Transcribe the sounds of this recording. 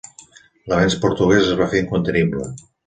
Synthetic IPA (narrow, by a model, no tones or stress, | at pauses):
ləβɛnspoɾt̪uɣɛzəzβafeɾiŋkunt̪əniblə